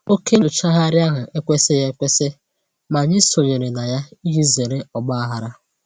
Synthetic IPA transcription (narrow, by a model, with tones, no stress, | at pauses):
o˦ke˦ɲʊ˨t͡ʃa˦ɦa˦ɾja˦ɦa˨ʔe˦kʷe˦se˦ja˦kʷe˦se˦ | ma˨ɲɪ˦so˨ɲe˨ɾe˨na˨ja˦i˦ɦi˦ze˨ɾe˦ɔ˨ɡ͡ba˦a˦ɦa˨ɾa˦